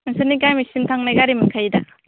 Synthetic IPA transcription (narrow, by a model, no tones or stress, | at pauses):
mɯsɯnikajmisimtʰaŋnajɡaɾimɯkʰajda